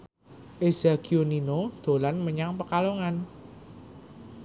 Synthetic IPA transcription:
ʔezaɡ̥ioninod̪̥o̤lanməɲaŋpəkaloŋan

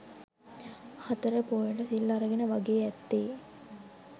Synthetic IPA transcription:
hat̪əɾəpoːjəʈəsilːaɾəɡenəʋɐɡeːɛt̪ːeː

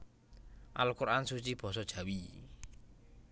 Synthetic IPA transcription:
ʔa̰lukuɾʔansut͡ʃib̥ɔ̤sɔd̥ʒ̥a̤wi

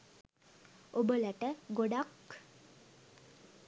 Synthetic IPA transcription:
obələʈəɡoɖak

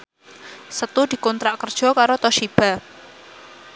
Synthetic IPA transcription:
sət̪ud̪̥i̤kɔnt̪ɾaʔkərd̥ʒ̥ɔ̤kaɾot̪ɔʃib̥a

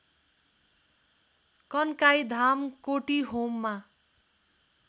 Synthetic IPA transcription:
kʌnkajd̪ʱamkoʈiɦomːa

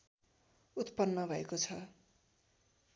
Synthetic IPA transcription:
ut̪pʌnːʌbʱʌekot͡sʰʌ

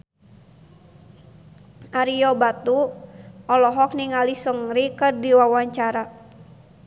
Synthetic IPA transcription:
aɾijɔbat̪u | ɔlɔɦɔk̚niŋalisəŋɾikɨrdiwawaɲt͡ʃaɾa

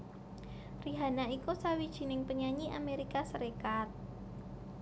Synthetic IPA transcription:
riɦanaikusawid̥ʒ̥i̤nɪŋpəɲaɲiʔa̰meɾikasəɾekat̪̚

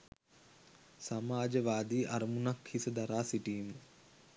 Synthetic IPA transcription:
samaːd͡ʒəʋaːd̪iːʔaɾəmunakhisəd̪aɾaːsiʈiːmə

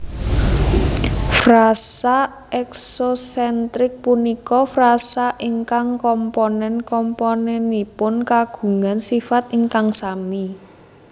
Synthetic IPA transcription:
frasa | ɛksosɛnt̪ɾɪk̚punikɔfrasaʔiŋkaŋkɔmpɔnɛnkɔmponɛnipʊnkaɡ̥ṳŋansifat̪iŋkaŋsami

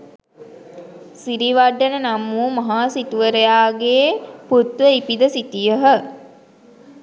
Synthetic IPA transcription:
siɾiʋaɖːənənamuːmɐɦaːsit̪uʋəɾejaːɡeːput̪ʋəipid̪əsit̪ijəɦə

